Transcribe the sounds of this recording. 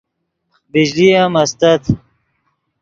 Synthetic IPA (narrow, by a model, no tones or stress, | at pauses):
bid͡ʑliɐmɐst̪ɐt̪ʰ